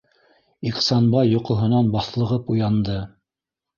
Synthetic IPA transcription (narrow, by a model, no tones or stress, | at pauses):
iqsɑnbɑjːŏqŏɦɤ̆nɑnbɑθlˠɤ̆ʁɤpujɑnd̪ɤ